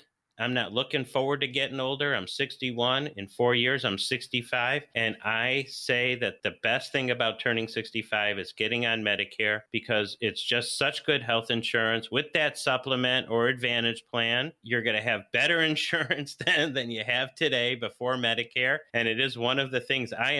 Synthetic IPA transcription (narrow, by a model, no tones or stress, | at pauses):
ʔãɪ̃mnətˡlʊkɪ̃ŋfɔɹwə˞d̚tɨɡɛɾɪ̃ŋoʊlˠdə˞ãɪ̃msɪkstiwʌ̃nɪ̃nfɔɹjɪɹzãɪ̃msɪkstifaɪv̥ɨ̃naɪseɪðɨt̪̚ðɨbɛst̪̚θɪ̃ŋɨbaʊtʰɜ̃˞nɪ̃ŋsɪkstifaɪvɨzɡɛɾɪ̃ŋɨ̃nmɛɾɨkʰɛɹb̥ɨkʰʌzɪtsd̥ʒ̥ʌstsʌt͡ʃɡ̥ʊd̚ɦɛlˠθɨ̃nʃʊɹɨ̃nswɨðɨtsʌpləmɨ̃ntə˞ɨdvæ̃ɾ̃ɨd̥ʒ̥pʰl̥æ̃njə˞ɡʌnɨːvbɛɾə˞ɨ̃nʃʊɹɨ̃nsðɨ̃nðɨ̃njɨɨv̥tʰɨɾeɪbɨfɔɹmɛɾɨkʰɛɹɨ̃nɨɾɪzwʌ̃nʌvðɨθɪ̃ŋzaɪ